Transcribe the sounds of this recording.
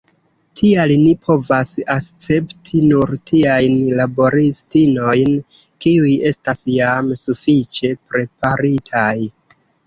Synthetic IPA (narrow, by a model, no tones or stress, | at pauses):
tʰialnipʰo̞vasakt͡se̞ptʰinuɾtʰiajnlabo̞ɾistino̞jn | kiuje̞stasjamsufit͡ʃe̞pɾe̞paɾitʰaj